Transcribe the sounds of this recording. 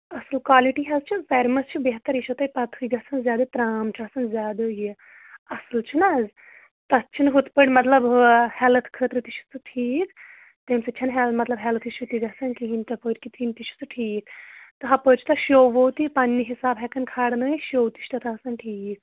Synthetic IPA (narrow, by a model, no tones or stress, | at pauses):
ɐsɨlkwaːliʈiɦɛzt͡ʃʰifɛɾmɐst͡ʃʰibeɦt̪ɐɾiʃot̪ɐjpɐt̪ʰɨjɡɐsɐnzjaːd̪ɨt̪ɾaːmt͡ʃʰasɐnzʲaːd̪ɨji | ɐsɨlt͡ʃʰinaːz | t̪ɐtt͡ʃʰinɦut̪pəɽʲmɐt̪lɐbhɛlɐt̪ʰkʰət̪ɾɨt̪iʃʰu̥t͡sɨʈʰiːk | t̪emsɐt͡ʃʰɐnɦɛlɐt̪mɐt̪lɐbɦɛlɐt̪ʰiʃut̪iɡɐsɐnkiɦint̪ʲɐpəʈʲkit̪ʰint̪it͡ʃʰu̥t͡sɨʈʰiːkt̪ɨɦɐpət͡ʃʰi̥t̪ʰɐʃoʋowt̪ipɐnːiɦisaːbɦɛkɐnkʰaːɽnɨʃoːwt̪i̥ʃt̪ɐt̪ʰaɐsɐnʈʰiːk̚